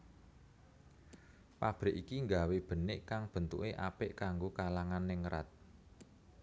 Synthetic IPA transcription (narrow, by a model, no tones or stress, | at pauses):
pab̥ɾɪʔikiŋɡaweb̥ə̤nɪʔkaŋb̥ə̤nt̪ṵʔeʔa̰pɪʔkaŋɡokalaŋanːɪŋɾa̰t̪̚